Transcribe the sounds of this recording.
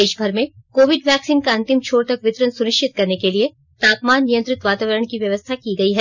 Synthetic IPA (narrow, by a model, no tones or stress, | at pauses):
eːʃbʱɐɾmẽkoːʋɪɖʋɛːksiːnkaɐ̃nt̪ɪmt͡ʃʰoːɽt̪ɐkʋɪt̪ɾənsʊɾɪʃt͡ʃɪt̪̚kɐɾnekelie | t̪aːpmaːnːijə̃nt̪ɾɪt̪ʋaːt̪aːʋəɾəɳ̃kiʋjɐʋəst̪ʰakiɡɐiɦɛː